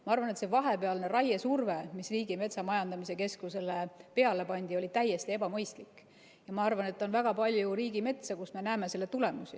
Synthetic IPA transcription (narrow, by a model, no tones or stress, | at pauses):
mɑɑrvɑnet̪se̞vɑɦe̞peɑlne̞ɾɑjesurve̞misriːɡime̞t̪sɑmɑjɑnd̪̥ɑmise̞ke̞skuse̞lepe̞ɑle̞pɑnʲd̪io̞lʲit̪æje̞st̪ie̞bɑmɤjst̪likːˑ | jɑmɑɑrvɑne̞t̪ːɑonvæɡ̥ɑpɑlʲjuɾiːɡime̞t̪sɑkusme̞næeme̞se̞lːe̞t̪ule̞musi